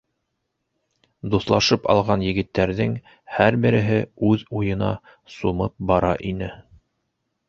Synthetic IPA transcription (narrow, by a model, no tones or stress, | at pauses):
d̪uθlˠɑʃɤpɑ̰lˠʁɑnjɘ̆ɡɘ̆t̪ːæɾðɘŋ | hæɾbɘ̆ɾɘ̆ɦɘʉðujɤ̆nɑ̰ | sumɤp̚bɑɾɑʔinɘ